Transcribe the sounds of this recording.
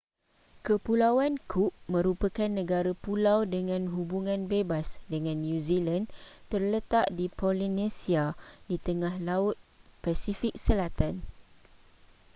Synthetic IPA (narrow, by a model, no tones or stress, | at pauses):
kəpulawankʰuʔ̚mə̃ɾupəkanːə̃ɡaɾapulawdəŋãnɦubuŋãnbebasdəŋãnːjũzilant̪ərlət̪aʔdipolinẽsiadit̪əŋãhlaʊt̪̚pasifik̚səlat̪an